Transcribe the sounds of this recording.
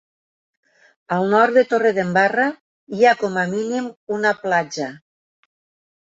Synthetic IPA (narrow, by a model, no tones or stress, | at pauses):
alˠnɔɾt̪d̪et̪oreðembara | iakɔmaminimunaplad͡ʒa